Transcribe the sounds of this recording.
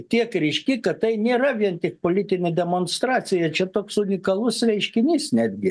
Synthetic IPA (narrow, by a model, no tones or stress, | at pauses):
t̪ʲiɛkɾʲɛɪʃʲkʲɪkɐttɐɪnʲeːɾɐʋʲiɛnt̪ʲɪk̚poːlʲit̪ʲɪnʲɛd̪ʲɛmoːnst̪ɾɑːt͡s̪ʲɪjɛt͡ʃʲɛt̪oːksʊnʲɪkɐlˠʊsɾʲɛɪʃʲkʲɪnʲiːsnʲæːd̪ʲɡʲɪ